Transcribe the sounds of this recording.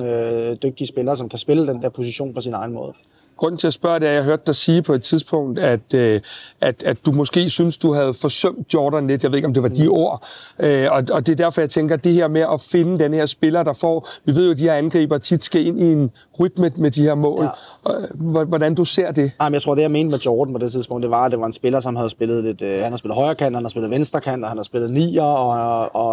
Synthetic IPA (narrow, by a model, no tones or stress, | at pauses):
ød̥øɡ̥̚d̥iəsb̥elɐːsɒ̽mkʰæsb̥e̝ləd̥end̥ɛɐpʰo̝siɕo̝̰ːnpʰɒ̽sinɑ̈ɪnmɔ̰̽ːð̩ˠ | ɡ̥ʁɔ̽n̰n̩t͡sʰe̝æsb̥ɶɐ̰ɾeæɐjɑ̈ɪɦøɐd̥ːɑ̈siːpʰɒ̽e̝d̥̚t͡sʰiðˠsb̥ɔ̽ŋ̰d̥æd̥øʔæd̥æ̥ːumɒ̽sɡ̥e̝̰ːsynsd̥uɦæð̞̩ˠfɒ̽sœm̰d̥̚jɒːd̥ɐnle̝d̥jɑʋe̝ðˠe̥ɒ̽md̥e̝ʋɑ̈d̥io̝ɐ̰ʔøɒ̽ɒ̽d̥e̝ɐd̥æɐfɒjɑ̈ɪt͡sʰeŋɡ̥ɐd̥e̝ɦeɐ̰meʔɒ̽fe̝nəd̥enəhe̝ɐ̰sb̥e̝lɐd̥ɑ̈fɒ̰ːʋiʋe̝ð̰jod̥iheɐænɡ̥ʁḭːb̥ɐt͡sʰid̥sɡ̥æe̝n̰ien | ʁyd̥məmed̥ihe̝ɐ̰mɔ̰̽ːl | ʋɒɾænd̥use̝ɐ̰d̥e̝amjaɪt͡sʰʁo̝ɐd̥ejame̝ːnd̥əmed̥jɒːd̥n̩pɒ̽d̥e̝t͡sʰiðˠspʰɔ̽ŋ̰d̥d̥e̝ʋɑ̈æd̥e̝ʋɑ̈e̝nsb̥e̝lɐsɒ̽mɦæð̞̩ˠsb̥e̝lð̞̩ˠle̝d̥hænhæselð̩ˠɒɪɐːkʰænd̥hænæð̩ˠsbe̝lð̩ˠʋensd̥ɐkʰæn̰d̥ɒhænhæð̩ˠsb̥e̝lð̩ˠnḭːɐɒɒ